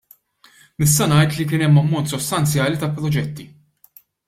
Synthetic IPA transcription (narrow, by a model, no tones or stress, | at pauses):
nɪs̬t̪ɐnɐjt̪likɪːnɛmːɐmːɔnt̪sɔst̪ɐnt͡sjɐːlit̪ɐpːɾɔd͡ʒɛt̪ːi